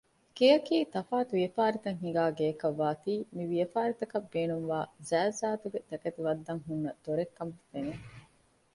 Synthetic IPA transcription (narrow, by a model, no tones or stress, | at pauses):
kejɐkiːt̪ɐfaːt̪uʋijɐfaːɾit̪ɐŋɦiɡaːɡeːkɐʋːaːt̪iːmiʋiɐfaːɾit̪ɐkɐbːeːnuŋʋaːzæːzaːt̪uɡet̪ɐkɐt̪iʋɐd̪ːɐŋɦunːɐd̪̥oɾekːɐmfene